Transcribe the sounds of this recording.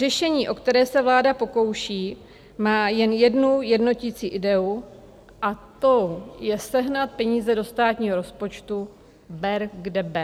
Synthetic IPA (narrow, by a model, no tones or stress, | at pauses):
rɛʃɛɲiːʔo̞kt̪ɛɾɛːsɛvlaːdapo̞ko̞wʃiː | maːjɛnjɛdnujɛdno̞cɪt͡siːʔɪdɛu | ʔat̪ojɛsɛɦnat̪̚pɛɲiːzɛdo̞st̪aːt̪ɲiːɦoɾo̞spo̞t͡ʃt̪u | bɛɾɡdɛbɛ